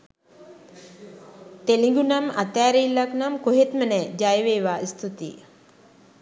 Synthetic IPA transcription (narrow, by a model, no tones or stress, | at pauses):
t̪eliŋɡunamat̪æːɾeilːaknamkoɦet̪mənɛd͡ʒajʋeːʋaːist̪ut̪ḭ